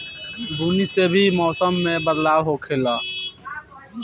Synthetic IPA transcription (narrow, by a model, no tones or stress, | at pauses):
d̪uːnisebʱimɔːsəmːẽːbəd̪laːwɦoːkʰeːlaː